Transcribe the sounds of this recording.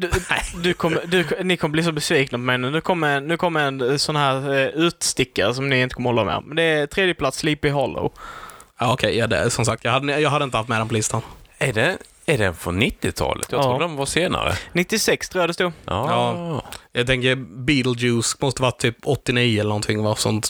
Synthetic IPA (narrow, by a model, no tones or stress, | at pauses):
d̪ɵd̪ɵkʰɔmːəd̪ɵnɪkʰɔmːəblɪːsɔbɛsviːknapʰɔmɛjnʉnʉ̟ːkʰɔmːəɾɛnnːʉ̟ːkʰɔmːəɾɛnsɔnːaɦæːɾʉ̟ːt̪st̪ɪkːaɾəs̬ɔmnɪɪnt̪əkʰɔməhɔlːamḛɾmɛnd̪ɛæt̪ʰɾeːd̪jəpʰlat̪sːliːpɪɦɔlːo̰ | ɑːɔkʰɛɪɑd̪ɛ̰sɔmsak̚t̪jɑːhad̪ːəjɑːɡɦad̪ːɪnt̪əhaft̪mɛd̪ɛnpʰɔlɪst̪anæɖɛ | æɖɛnfɔ̰nɪt̪ːɪt̪ʰɑ̰ːlʔət̪jɑt̪ɾuːd̪ɛnvaseːna̰ɾə̰nɪt̪ːɪsɛkst̪ʰɾuːjad̪əst̪uːɑːjɑːɡt̪ʰɛŋkəɾbiːt̪lʉːsmɔst̪əʋɑːt̪ʰyːpɔt̪ːɪniːʊɛləɾnɔnt̪ʰɪŋːvɑsɔ̰nt̪